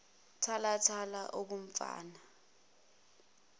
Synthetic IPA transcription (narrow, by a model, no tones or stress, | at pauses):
tʰalatʰalaʔok̬um̩fa̰ːna